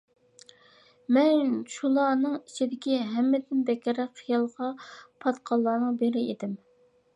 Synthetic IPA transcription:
mɛnʃulˠɑnɨŋit͡ʃʰid̪ɪkʲiɦɛmːɪd̪ɪnbɛkʲɾɛqʰːijɑlˠʁɑpʰɑt̪qʰɑlˠːɑːnɨŋbeɾɪed̪ɪm

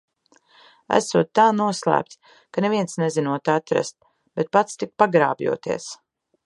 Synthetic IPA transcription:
æ̰suɔt̪ːaːnuɔslˠæ̰ːp̚t̪ | kaneviɛnsnezinuɔt̪at̪ɾa̰st̪̚ | b̥et̪̚pat̪st̪ik̚paɡɾaːbjṵɔt̪ḭɛs

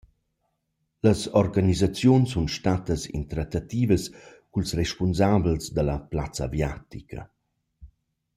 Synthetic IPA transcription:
ləsɔɾɡanizat͡sjunsːunʃtat̪əsḭnt̪ɾat̪at̪iːvəs | kulsrɛʃpunzablsd̪alɐplat͡sa̰vjat̪ikʰɐ̰

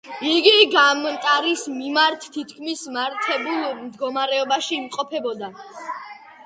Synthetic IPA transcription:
iɡiɡamnt̪ʼaɾismimaɾt̪ʰːit̪ʰkʰmismaɾt̪ʰɛbulˠmd̪ɡɔmaɾɛɔbaʃiːmqʼɔpʰɛbɔd̪a

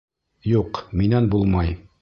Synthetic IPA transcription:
juqminænbulˠmɑj

